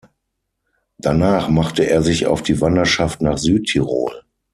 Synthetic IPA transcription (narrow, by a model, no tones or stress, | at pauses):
d̥anaːχmaχtəʔeːɐzɪça̰ʊfd̥iːvandɐʃaftnaːχz̥yːtʰːiʁo̰ːl